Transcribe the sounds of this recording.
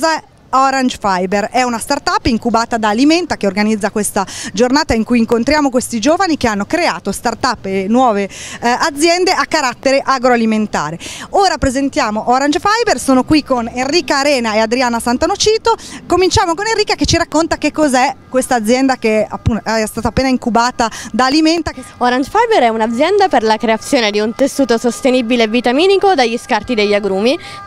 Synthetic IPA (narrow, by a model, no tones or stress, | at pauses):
a | ɔɾand͡ʒfajberɛunast̪art̪apːiŋkubaːt̪ad̪aːliment̪akeorɡanid̪zːakwest̪ad͡ʒornaːt̪aiŋkujiŋkont̪ɾjaːmokwest̪id͡ʒoːvanik̟eanːokɾeaːt̪ost̪art̪apːnwɔːvead̪zːjɛnd̪eʔakːaɾat̪ːeɾeʔaɡɾoaliment̪a̰ːɾeoːɾapɾezent̪jaːmoʔoɾand͡ʒfajbersoːnokwikoneriːkaːɾɛːnaead̪ɾiaːnasant̪anot͡ʃiːt̪okomint͡ʃaːmokonerːiːkaket͡ʃːiɾakːont̪akekːozɛkːwest̪aːd̪zːjɛnd̪akea̰pːunɛɛst̪aːt̪aːpːeːnaiŋkubaːt̪ad̪aːliment̪aoɾand͡ʒfajbeɾɛunad̪zjɛnd̪aperlakɾeat̪sːjoːned̪iunt̪esːuːt̪osost̪enibileːvːit̪amiːnikod̪aʎːiskart̪id̪ejʎːaɡɾuːmi